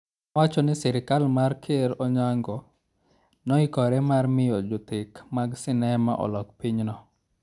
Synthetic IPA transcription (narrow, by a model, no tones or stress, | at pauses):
awat͡ʃɔnɪsɛɾɪkalmarkʰeɾɔɲaŋɡɔ | nɔikɔɾɛmarmɪjɔd͡ʒʊt̪ɪkmaɡsɪnɛma̰ʔɔ̰lɔk̚piɲnɔ